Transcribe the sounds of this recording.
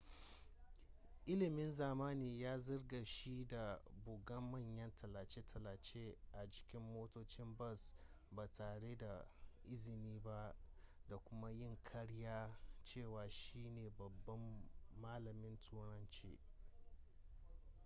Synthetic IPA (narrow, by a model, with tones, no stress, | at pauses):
ʔɪ˦lɪ˨mɪ˦nzaː˨maː˦niː˨jaː˦zɐ˦rɡa˨ʃi˦da˨bʊ˨ɡɐ˦mːɐ˦˨ɲjɐ˦ntʰɐ˨la˨t͡ʃe˦tʰɐ˨la˨t͡ʃe˦ʔa˨d͡ʒɪ˨kʲɪ˦mːoː˦toː˦t͡ʃɪ˦mbɐ˦˨s | baː˨taː˨ɽe˦da˨ʔɪ˦zɪ˨niː˦ba˦da˨kʷʊ˦ma˦jɪ˦ŋkʰɐ˦ɽjaː˦t͡ʃeː˦˨waː˨ʃiː˦neː˨bɐ˨bːɐ˦mːaː˦lɐ˨mɪ˦ntʰuː˦ɽɐ˦nt͡ʃḛː˦